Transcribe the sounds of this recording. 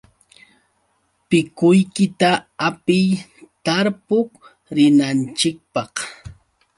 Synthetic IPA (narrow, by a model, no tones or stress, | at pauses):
pɪkʊjkɪt̪aapɪjt̪aɾpʊk | ɾɪnant͡ʃɪk̚pɑχ